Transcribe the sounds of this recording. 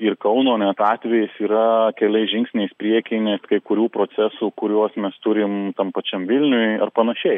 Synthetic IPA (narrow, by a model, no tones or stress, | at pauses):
ɪrkɐʊnoːnʲɛt̪ɑːt̪ʲʋʲɛjɪsiːɾɐkʲɛlʲˠɐɪʒʲɪŋksʲnʲɛɪspʲɾʲiɛkʲɪɪnʲɛskɐɪkʊɾʲuːpɾoːsʲɛsuːkʊɾʲuɔsmʲɛst̪ʊɾʲɪmt̪ɐmpɐt͡ʃʲɛmʋʲɪlʲnʲʊjɐ̰rpɐnɐʃʲɛɪ